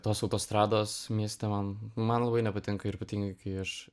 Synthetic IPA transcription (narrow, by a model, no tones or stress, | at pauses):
t̪oːsɒʊt̪oːst̪ɾɑːd̪oːsmʲiɛsʲt̪ʲɛmɐnmɐnlˠɐbɐɪnʲɛpɐt̪ʲɪŋkɐɪɾpɐt̪ʲɪŋɡɐɪkɐɪɐʃ